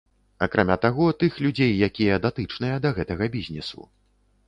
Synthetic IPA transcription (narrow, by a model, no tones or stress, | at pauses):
ɐkɾʔamʲat̪aɣɔt̪ɨxlʲud͡zʲejːakʲijɐd̪at̪ɨt͡ʂn̪ɨjɐd̪ɐɣɛt̪ɐɣɐbʲizʲnʲɛsṵ